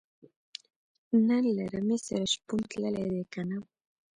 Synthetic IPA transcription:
nanlaɾamesaɾaʃpunt̪ləled̪ekana

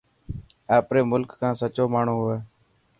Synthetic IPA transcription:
aːpɾeːmʊlkkãːsət͡ʃoːmaːɳ̤ũːɦʊeː

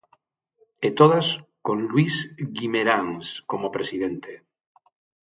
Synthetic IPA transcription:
et̪oðaskõnlwisɣimeɾaŋskomopɾesið̞ent̪e

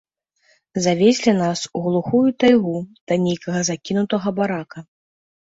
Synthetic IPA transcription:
zavʲesʲlʲinasuɣlˠuxujut̪ajɣud̪̥ɐnʲejkɐɣɐzakʲinut̪ɐɣɐbaɾakɐ

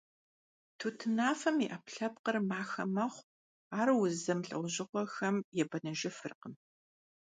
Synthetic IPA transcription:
tʰuːtʰɨnaːfɐmiʔɐpɬɐp̚qərmaːxɐ̰mɐχʷ | aːrwʊzɐmɬʼɨ̰wʑɪqʷɔxɐmjɛbɐnɐʒɪfɨrqəm

